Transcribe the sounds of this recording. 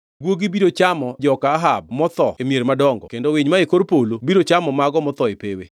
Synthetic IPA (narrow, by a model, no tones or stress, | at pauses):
ɡwoɡibidot͡ʃamɔd͡ʒɔkaːɦab̚mɔt̪ɔemjeɾmadɔŋɡɔ̰kendowɪɲmaekoɾpolobiɾot͡ʃamɔmaɡɔmɔt̪ɔepewḛ